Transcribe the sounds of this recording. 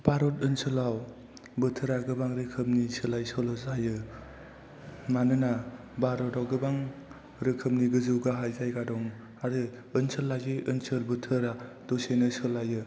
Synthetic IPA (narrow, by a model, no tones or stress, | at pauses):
b̥aɾɔtɯnsɯlaw | bɯtʰɯɾaɡɯbaŋɾɯkʰɯp̚nisɯlajsɔlɔzajɯ | manɯna | baɾɔtawɡɯbaŋ | ɾɯkʰɯp̚niɡɯzɯwɡaɦajzajɡadɔŋ | aɾɯ | ɯnsɯlːajziʔɯnsɯlbɯtʰɯɾa | d̥osenɯsɯlːajɯ